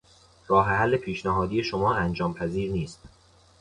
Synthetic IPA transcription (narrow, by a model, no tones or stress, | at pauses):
ɾɒːɦeɦælːe̞pʰiːʃnæɦɒːd̪iːje̞ʃomɒːænd͡ʒɒːmpʰæziːɾniːst̪